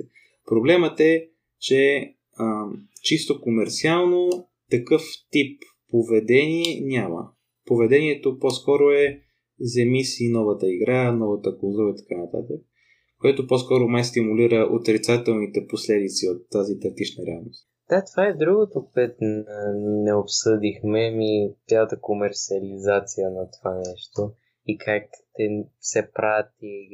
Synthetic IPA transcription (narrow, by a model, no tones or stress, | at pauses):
pɾoblɛmət̪ɛ | t͡ʃɛ | ət͡ʃist̪okomɛɾt̪sialˠno | t̪ɐkɤft̪ipː | ovɛd̪ɛniɛnʲamə̰ | povɛd̪ɛniɛt̪opɔskɔɾoɛ | zɛmisinɔvət̪əiɡɾanɔvət̪əkolˠzuɾəit̪ɐ̥kanɐt̪a̰t̪ək | kːoɛt̪opɔskɔɾomajst̪imuliɾəʔot̪ɾit̪sat̪ɛlˠnit̪ɛposlɛd̪it̪siot̪ːazit̪ɐt̪it͡ʃnəɾɛalˠnost̪ | d̪̥at̪vaɛd̪ɾuɡot̪opət̪nnɛopsɤd̪ixmɛmit̪ʲjaət̪əkomɛɾt̪siəlizat̪sijənɐt̪ovanɛʃt̪o | ikʰakt̪ɛsɛpɾat̪i